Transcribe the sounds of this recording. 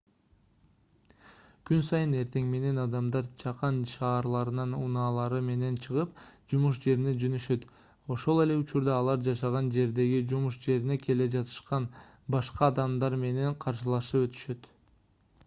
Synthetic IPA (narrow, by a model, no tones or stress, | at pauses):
kynsɑjɯne̞ɾt̪e̞ŋme̞ne̞nɑd̪ɑmd̪ɑɾt͡ʃʰɑqɑnʃɑːɾlˠɑɾɯnɑnunɑːlˠɑɾɯme̞ne̞nt͡ʃʰɯʁɯpd͡ʒumuʃd͡ʒe̞ɾine̞d͡ʒønyʃø̞t̪ | o̞ʃo̞lˠe̞le̞ut͡ʃuɾd̪ɑːlˠɑɾd͡ʒɑʃɑʁɑnd͡ʒe̞ɾd̪e̞ɡid͡ʒumuʃd͡ʒe̞ɾine̞kʰe̞le̞d͡ʒɑt̪ʰɯ̥ʃqɑn | bɑʃqɑːd̪ɑmd̪ɑɾme̞ne̞ɴqʰɑɾʃɯlˠɑʃɯpø̞t̪y̥ʃø̞t̪